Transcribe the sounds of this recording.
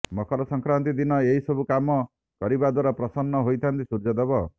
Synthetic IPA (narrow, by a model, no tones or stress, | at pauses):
mɔkʰɔɾɔsɔŋkɾant̪id̪inɔeɦisɔbukamɔ | kɔɾibad̪waɾapɾɔsɔnːɔɦojt̪ʰant̪isuɾd͡ʒɔd̪ebɔ